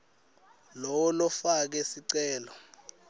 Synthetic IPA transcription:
lɔwɔlɔfak̬ɛsiǀɛːlɔ

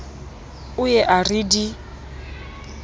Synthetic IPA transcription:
ʊjɛʔaridi

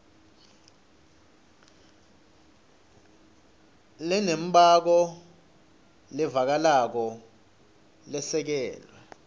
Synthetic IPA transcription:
lɛnem̩bʱak̬ɔ | lɛvak̬alak̬ɔ | lɛsɛk̬ɛːlwɛ

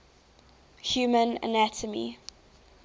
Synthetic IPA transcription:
hjuːmə̃nə̰natʰəmḭ

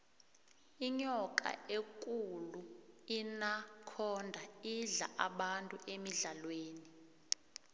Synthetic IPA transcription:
iɲɔkʼa̰ekʼuluinakʰɔndʱaiɮa̰ʔaɓantʼuʔemiɮalweːni

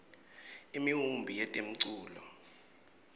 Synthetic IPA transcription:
imiɦumbʱijɛtʼem̩ǀuːlɔ

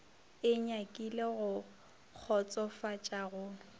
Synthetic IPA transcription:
ɪɲakʼileɣʊ | k͡xʰɔt͡sʼɔfat͡ʃʼaɣʊ

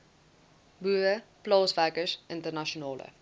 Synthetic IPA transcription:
buːɾəplɑːsvækəsʔɪntərnaʃionɑːlə̰

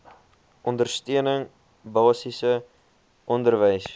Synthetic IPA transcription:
ʔɔndərstøənəŋ | bɑːsisə | ʔɔndərvəjs

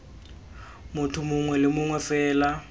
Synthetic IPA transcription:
mʊtʰʊmʊŋwɛlɪmʊŋwɛfɛːla

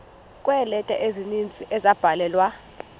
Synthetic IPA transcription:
kʼwɛlɛtʼɛʔezinint͡sʼiʔɛzab̥ʱalɛːlwa

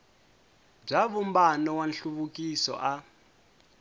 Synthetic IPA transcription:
b͡ʐaβumbanɔwanɬuβukʼisɔ̰ʔa

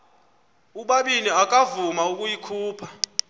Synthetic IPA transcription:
uɓaɓiniak̬ʼavumauk̬ʼujikʰuːpʰḁ

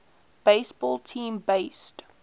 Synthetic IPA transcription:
b̥eɪsb̥ɔlˠtʰĩːmbeɪst

